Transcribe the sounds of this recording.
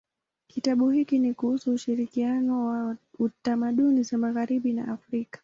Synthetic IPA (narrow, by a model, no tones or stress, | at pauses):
kitaɓuhikinikuhusuːʃiɾikianɔwautamaɗunizamaɣaɾiɓina̰ʔafɾikḁ